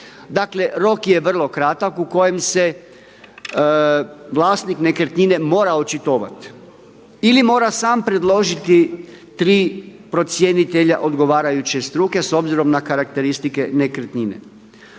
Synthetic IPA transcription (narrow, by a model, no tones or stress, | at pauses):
d̪akle̞ɾo̞kje̞ʋr̩lˠo̞kɾat̪akuko̞jemse̞ | ʋlˠaːst̪nikne̞kɾet̪ɲine̞mo̞ːɾaot͡ʃit̪oːʋa̰t̪ | ilimo̞ːɾasaːmpɾe̞d̪lˠo̞ʒit̪i | t̪ɾiːpɾo̞t̪sje̞nit̪eʎaʔo̞d̪ɡo̞ʋaːɾajut͡ɕe̞st̪ɾuːke̞so̞bziɾo̞mnakaɾak̚t̪e̞ɾist̪ike̞nekɾt̪ɲinḛ